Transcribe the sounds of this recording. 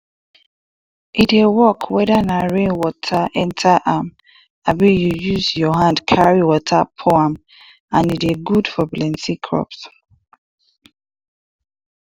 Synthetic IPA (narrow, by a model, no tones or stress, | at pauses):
ʔitewɔkʰwɛðanaɹẽnwɔtʰaʔɛ̃ntʰaʔam | abijujuzjɔɦãndkʰaɹiwɔtʰapʰoãm | ãniteɡudfɔblɛ̃nsikʰɹɔ̰ps